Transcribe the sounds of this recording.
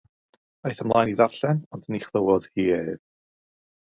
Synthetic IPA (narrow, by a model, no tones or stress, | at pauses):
ajθəmlˠaːjniðarɬɛnɔndəniχlˠəwɔd̥hiːeːð